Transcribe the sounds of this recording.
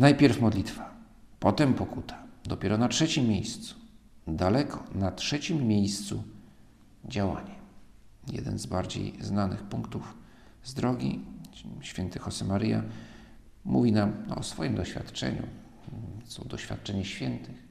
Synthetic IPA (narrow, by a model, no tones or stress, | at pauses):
najpʲjɛɾfmɔd̪lʲit̪fa | pɔt̪ɛmpɔkut̪ʰḁd̪ɔpʲjɛɾɔnatʂɛt͡ɕimːjejst̪su̥d̪alɛkʰɔnatʂɛt͡ɕimːʲjejst̪su | d͡ʑawa̰ɲɛ | jɛ̰d̪ɛ̰nzbaɾd͡ʑḛjznanɘ̰xpuŋkt̪uf | zd̪ɾɔɡʲḭ | ɕfʲjɛnt̪ɘxɔsɛmaɾɘja̰ | muvʲinamɔsfɔjimd̪ɔɕfʲa̰t̪t͡ʂɛ̰ɲṵ | sɔd̪ɔɕfʲa̰t̪̚t͡ʂɛɲɛɕfʲjɛnt̪ɘx